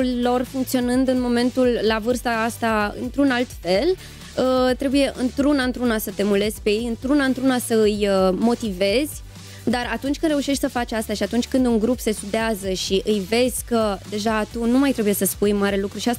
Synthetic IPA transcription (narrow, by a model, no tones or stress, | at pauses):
ulo̞rfuŋkt̪sio̞nɨnd̪ɨnmo̞me̞nt̪ulːavɨrst̪aast̪aɨ̰nt̪ɾunalt̪fe̞l | ət̪ɾe̞buje̞ʔɨnt̪ɾunaɨnt̪ɾunasət̪e̞mule̞zʲpe̞je̞jɨnt̪ɾunaɨnt̪ɾunasəɨjəmo̞t̪ive̞zʲ | d̪aɾat̪unt͡ʃʲkɨnd̪ɾe̞uʃe̞ʃt̪ʲsəfat͡ʃʲast̪aʃiat̪unt͡ʃʲkɨnd̪uŋɡɾupse̞st̪ud̪eazəʃiʔɨjve̞zʲkəd̪e̞ʒat̪unumajt̪ɾe̞buje̞səspujmaɾe̞lukɾuʃiast̪